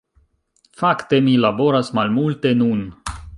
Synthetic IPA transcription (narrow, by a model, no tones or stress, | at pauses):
fakt̪e̞milabo̞ɾasmalmulte̞nun